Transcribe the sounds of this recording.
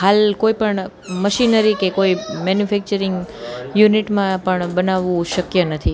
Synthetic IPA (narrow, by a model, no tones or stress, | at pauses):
ɦalkoipəɳ | məʃinəɾikekoimɛnjufʰɛk̚t͡ʃəɾɪŋɡjuniʈmãpəɳbənaʋːũʃəkjənət̪ʰi